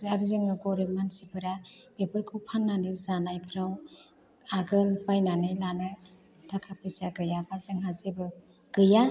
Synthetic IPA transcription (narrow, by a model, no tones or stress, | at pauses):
aɾizɯŋɯɡɔɾimansibʰɯɾab̥epɯɾkʰuwpʰanːanɯzanajpʰɾaw | aɡɯlpajnanɯjlanɯ | takʰapʰɯsaɡɯjabazɯŋɦazebɯ | ɡ̥ɯja